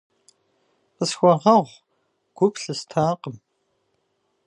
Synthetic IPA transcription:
qəsxʷɔʁɐʁʷ | ɡ̥ʷʊpɬɨstʰaːqəm

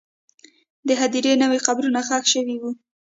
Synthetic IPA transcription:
d̪əɦad̪iɾenəweqabɾunaxɑxʃəwiwu

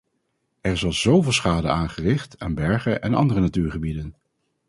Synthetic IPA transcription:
ɛɹɪzɑlˠzowvɪːlˠsχaːdəaːnχərɪχtaːnbɛɹχəʔɛnɑ̰ndərənatyːɹχəbidən

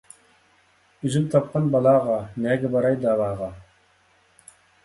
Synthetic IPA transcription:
yzymt̪ʰɑp̚qʰɑnbɑlˠɑːʁɑnɛːɡʲɛbɑɾɑjd̪ɑːvɑːʁɑ

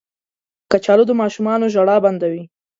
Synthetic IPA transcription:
kat͡ʃɑlod̪əmɑʃumɑnoʒaɽɑband̪awi

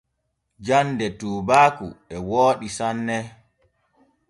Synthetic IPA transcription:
d͡ʒandɛtuːbaːkṵɛwoːɗisanːɛ

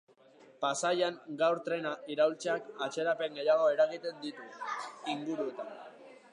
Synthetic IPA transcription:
pasajaŋɡawɾt̪ɾe̞naiɾawlt͡seakat͡ʃe̞ɾape̞ŋɡe̞jaɣ̞o̞e̞ɾaɣit̪e̞nd̪it̪uiŋɡuɾue̞t̪an

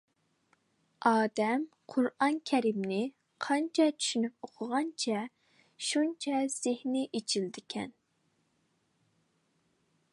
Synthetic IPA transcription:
ɑːd̪ɛm | qʰʊɾɑnkʲʰɛɾimnɪ | qʰɑnt͡ʃʰɛt͡ʃʰy̥ʃynyp̚oqʰʊʁɑnt͡ʃʰɛ | ʃunt͡ʃʰɛz̥ɪhnɪʔet͡ʃʰild̪ɪkʲʰɛn

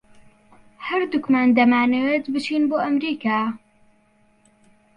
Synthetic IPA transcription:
hɐɾd̪ʊkmaːnd̪ɐmaːnewet̪bɨt͡ʃʰiːnboːʔɐmɾiːkʰaː

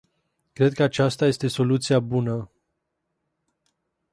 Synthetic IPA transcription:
kɾe̞d̪̚kəat͡ʃast̪aje̞st̪e̞so̞lut̪siabunə

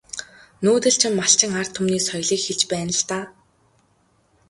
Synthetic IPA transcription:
nuːt̪ɘ̆ɬt͡ɕʰɪ̆mːaɬt͡ɕɪ̆ŋar̥t̪ʰʊmniːsɔjɮiːkxeɮt͡ɕpæːnə̆ɬt̪aː

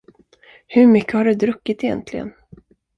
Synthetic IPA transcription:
hɵɾmʏkːəhaɖɵd̪ɾɵkːɪt̪ɛjɛ̰nt̪ʰlɪɡə̰n

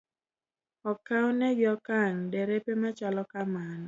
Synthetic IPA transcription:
ɔkawnɛɡɔkaŋdɛɾepemat͡ʃalɔkamanɔ

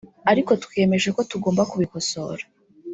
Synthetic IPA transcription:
aɾiko̞tkwe̞me̞ʒeko̞tuɡo̞ːmbakuβikoso̞̰ɾa

